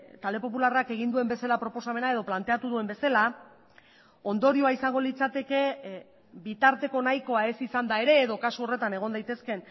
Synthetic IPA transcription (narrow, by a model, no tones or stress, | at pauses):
t̪ald̪e̞po̞pularake̞ɣ̞ind̪ue̞mbe̞salapɾo̞po̞same̞nae̞ðo̞plant̪e̞at̪uðue̞mbe̞sala | o̞nd̪o̞ɾioaisaŋɡo̞lit͡sat̪e̞ke̞ | bit̪aɾt̪e̞ko̞najko̞ae̞sisand̪ae̞ɾe̞ːðo̞kasuo̞re̞t̪ane̞ɣ̞o̞nd̪ajt̪e̞ske̞n